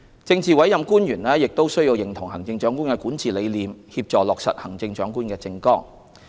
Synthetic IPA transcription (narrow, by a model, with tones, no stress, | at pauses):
t͡sɪ˧ŋt͡siː˨wɐ˨˥jɐ˨mkuː˥njyː˨˩nlɛː˥jɪ˨k̚t̪o˥wsɵ˥ɥji˧wjɪ˨˩ŋt̪ʰʊ˨˩ŋhɐ̰˨˩ŋt͡sɪ˧ŋt͡ʃœː˨˥ŋkuː˥nkɛː˧kuː˨˥nt͡siː˨le˨˧jliː˨mhiː˧p̚t͡ʃɔː˨lɔː˨k̚sɐ̰˨t̚hɐ˨˩ŋt͡sɪ˧ŋt͡ʃœː˨˥ŋkuː˥nkɛː˧t͡sɪ˧ŋkɔː˥ŋ